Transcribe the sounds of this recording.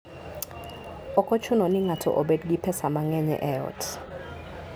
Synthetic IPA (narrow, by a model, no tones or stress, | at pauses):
ɔkʼɔt͡ʃʰunɔniŋatʰɔ̰ʔɔɓɛdɡipʰɛsamaŋɛɲɛ̰ʔɛɔ̰tʰ